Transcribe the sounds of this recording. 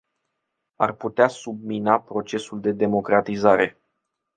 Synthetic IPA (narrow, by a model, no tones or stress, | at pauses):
a̰rput̪easub̚minapɾo̞t͡ʃe̞suld̪e̞d̪e̞mo̞kɾat̪izaɾe̞̰